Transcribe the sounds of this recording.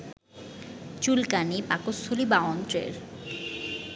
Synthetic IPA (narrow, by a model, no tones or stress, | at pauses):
t͡ɕulkanipakosʰolibaɔnt̪ɾḛɾ